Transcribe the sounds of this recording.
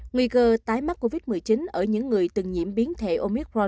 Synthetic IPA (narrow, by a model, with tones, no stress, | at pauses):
ŋwi˧kəː˧t̪aː˨˦jma˦˥t̚ko˧vi˦˥t̚mɨ˨˩əjt͡ɕi˨˦nʔəː˧˩ɲɨ̰˧˥ŋːɨ˨˩əjt̪ɨ˨˩ŋɲḭ˧˩əmɓi˨˦ənt̪ʰe˧˩ʔo˧mi˦˥k̚ɹɔ˧n